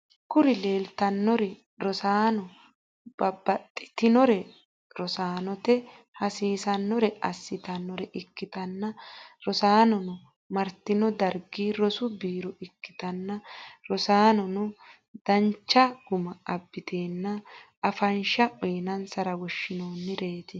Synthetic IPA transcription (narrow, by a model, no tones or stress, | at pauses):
kʊɾɪle̞ːlt̪ɐnːɔɾɛ | ɾɔsaːnɔ | b̥ɐbɐt̪ʼːɪ̥t̪ɪnɔɾɛ | ɾɔsaːnɔt̪ɛ | hɐsiːsɐnːɔɾɛɐsːɪt̪ɐnːɔɾɛʔɪkːɪt̪ɐnːɐɾɔsaːnɔnʊ | mɐɾt̪ːɪnɔd̪ɐɾɡiːɾɔsʊbiːɾɔʔɪkːɪ̥t̪ɐnːɐɾɔsaːnɔnʊ | d̪ɐnt͡ʃːɐɡ̥ʊmɐɐbːɪt̪ʰeːnːɐ | ɐfɐnʃɐʔɔjnɐnsɐɾɐɡɔʃːɪnoːnːɪɾe̞ːt̪ɪ